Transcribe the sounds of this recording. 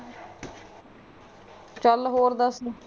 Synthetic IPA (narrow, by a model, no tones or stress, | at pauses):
t͡ʃəlɦoːɾd̪əs